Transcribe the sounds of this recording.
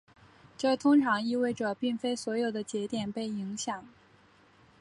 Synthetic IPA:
ʈ͡ʂɤ˥˩t̪ʰʊ˥ŋʈ͡ʂʰɑ˧˥ŋi˥˧we˥˩ɪʈ͡ʂɤ˨˩pi˥˩ŋfe˥ɪswɔ˧˥jo˨˩ʊd̪ə˦t͡ɕjɛ˧˥t̪jɛ˨˩npe˥˩ɪi˧˥ŋɕjɑ˨˩˦ŋ

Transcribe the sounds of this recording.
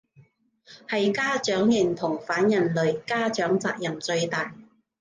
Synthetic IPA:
hɐ˨jkaː˥t͡ʃœː˨˥ŋjɪ˨˩nt̪ʰʊ˨˩ŋfaː˨˥njɐ˨˩nlɵ˨ɥkaː˥t͡ʃœː˨˥ŋt͡sa̰ː˧k̚jɐ˨˩mt͡sɵ˧ɥt̪aː˨j

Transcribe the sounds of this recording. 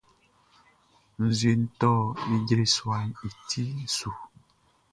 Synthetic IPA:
n̩˨zɥe˨n̩˦tɔ˦˨i˦ɟɾe˨swa˨ni˨tʰi˦˨su˨

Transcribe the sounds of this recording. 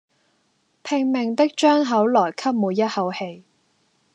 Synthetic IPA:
pʰɪ˧ŋmɪ˨˩ŋt̪ɪ˥k̚t͡ʃœː˥ŋɦɐ˨˥wlɔː˨˩jkʰɐ˥p̚muː˨˧jɐ˥t̚hɐ˨˧whe˧j

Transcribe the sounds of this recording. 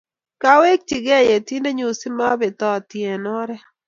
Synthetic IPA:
ka˦we˦k̚t͡ʃi˨ɡɛ˦je˨t̪i˦nde˦ɲu˨sɪ˦ma˦bɪ˨t̪ɔ˦˨t̪jɛ˨nɔ˦ɾɛ˦

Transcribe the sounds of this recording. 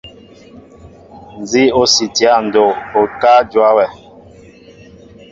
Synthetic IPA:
n˨zi˦o˦si˨ti˨a˦˨n̩˨do˨o˨ka˦d͡ʒwa˦wɛ˨

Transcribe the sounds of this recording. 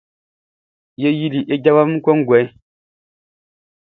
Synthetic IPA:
je˦ji˦li˨ʔe˦ɟa˦ba˦m˦kwɔ˦ŋ̩˦ɡwɛ˨˦

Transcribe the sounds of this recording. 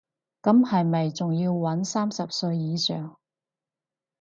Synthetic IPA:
kɐ˨˥mhɐ˨jmɐ˨jt͡sʊ˨ŋjiː˧wwɐ˨˥nsaː˥msɐ˨p̚sɵ˧ɥjiː˨˧sœː˨˩ŋ

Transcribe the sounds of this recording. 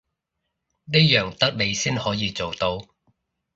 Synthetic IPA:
ne˥jœː˨˩ŋt̪ɐ˥k̚le˨˧jsiː˥nhɔː˨˥jiː˨˧t͡so˨wt̪o˧w

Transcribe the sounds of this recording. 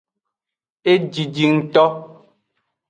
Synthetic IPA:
e˦d͡ʒi˨d͡ʒi˨ŋn̩˨tɔ˦

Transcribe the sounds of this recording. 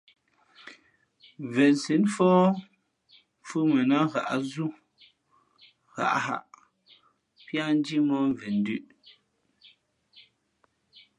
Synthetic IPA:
vɛ˨nsi˨˦nfɔ˦ | fu˦mɛ˨na˦ɣa̰˨ʔa˦zu˦ | ɣa̰˨ʔɦa̰˨ʔ | pja˦n˦d͡ʒi˦mɔ˦ɱ˨vɛ˨n˦dʉ˦ʔ

